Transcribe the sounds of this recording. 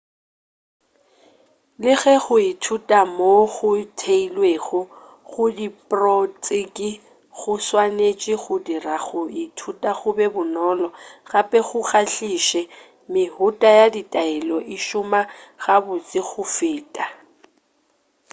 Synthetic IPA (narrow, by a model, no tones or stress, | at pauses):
lɪɣɛɣʊitʰutʼamoɣʊtʰeilweɣɔ | ɣʊdipʼrɔt͡sʼɪkʼɪ | ɣʊswanet͡ʃʼɪɣʊdiraɣʊitʰutʼaɣʊbɛbʊnɔlɔɣapʼɛɣʊɣaɬiʃɛ | mɪhʊtʼajaditʼaɛlɔʔiʃʊmaɣabʊt͡sʼɪɣʊfɪːtʼa